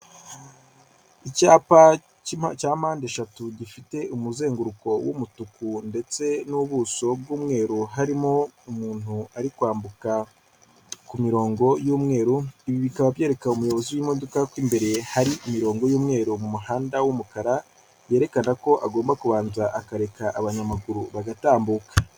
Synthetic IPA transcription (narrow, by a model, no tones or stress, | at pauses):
icaːpa | acaːm̥aːnde̞ʃatuɟifite̞ʔumuze̞ːŋɡuɾuko̞wṵmutukunde̞t͡se̞nuβuːso̞bɡuːmŋe̞ːɾuɦaɾimo̞umuːn̥uaɾikwaːmbuka | kumiɾo̞ːŋɡo̞juːmŋe̞ːɾuiβiβikaβaβjeːɾe̞kaumujo̞βo̞ziwimo̞dokakwiːmbe̞ɾe̞haɾiʔimiɾo̞ːŋɡo̞juːmŋe̞ːɾumumuɦaːndawumukaɾa | je̞ːɾe̞kanako̞ʔaɡo̞ːmbakuβaːnzaʔakaɾe̞kaʔaβaɲamaɡuɾuβaɡataːmbuːkḁ